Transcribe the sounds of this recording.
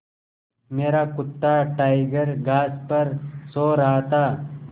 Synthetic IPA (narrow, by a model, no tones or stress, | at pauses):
meːɾakʊt̪ːaʈaːɪɡəɾɡaːspɐɾsoːɾaɦat̪aː